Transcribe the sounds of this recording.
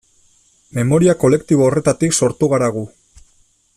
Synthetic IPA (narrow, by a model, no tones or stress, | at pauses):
me̞mo̞ɾiako̞le̞kt̪iβoːre̞t̪at̪ikso̞ɾt̪uɣ̞aɾaɣ̞u